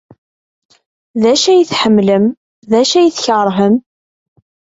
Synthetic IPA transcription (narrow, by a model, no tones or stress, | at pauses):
ðæʃæjəθħəmːləm | ðæʃæjəθçəʁɾˤɦəm